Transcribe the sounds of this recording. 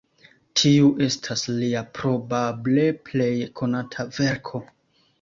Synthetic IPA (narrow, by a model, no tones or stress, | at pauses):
tʰiuʔe̞stʰasliapɾo̞bable̞ple̞jkʰo̞natʰave̞ɾkʰo̞